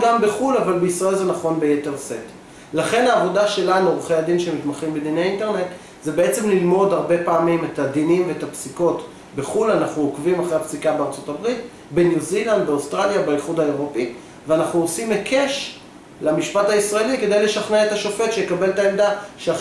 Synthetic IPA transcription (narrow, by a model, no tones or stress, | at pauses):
ɡambeχulavalbeisʁaelzenaχo̞nbejete̞ʁset | laχe̞naːvo̞daʃe̞lanuʁχejad̪inʃemitmaχimbed̪inejinte̞ʁne̞t | zebe̞et͡se̞mlilmo̞daʁbe̞paːmimet̪ad̪inimveetapsiko̞t | be̞χulanaχnuokvimaχʁeapsikabeaʁt͡so̞tabʁit | benjuziland̪beost̪ʁaljabajiχudhaeʁo̞pi | veanaχnuosimekʰeʃ | lamiʃpathaisʁaelike̞d̪e̞jle̞ʃaχneet̪aʃo̞fetʃejekabe̞ltaemd̪aʃea